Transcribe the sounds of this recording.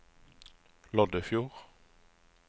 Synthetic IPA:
lɔd̪əfjuːʁ

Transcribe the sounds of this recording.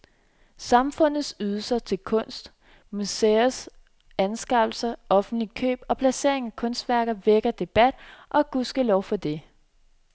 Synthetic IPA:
sɑ̈mfɔ̽n̰ð̩ˠsyːðˠlsɐt͡sʰe̝lkʰɔ̽n̰sd̥ | museɐs | ænsɡ̥ɑ̈b̥l̩sɐʔɒ̽fn̩d̥likʰø̰ːb̥ɒ̽pʰlæse̝̰ɐ̰e̝ŋækʰɔ̽nsd̥ʋæɐɡ̥ðˠʋeɡ̥ɐd̥e̝b̥æd̥ʔɒ̽ɡ̥usɡ̥əlɒʊfɒ̽d̥e̝

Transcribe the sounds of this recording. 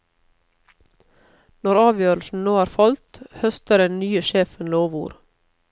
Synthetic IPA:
nɔɾɑːʋjøːɾl̩sn̩noːæːɾfɑlt̪hœst̪əɾɛnnyːəʃeːfənloːʋṵːɾ

